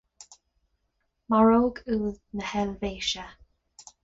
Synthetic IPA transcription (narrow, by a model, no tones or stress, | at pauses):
maɹoːɡuːðnəhɛlveːʃə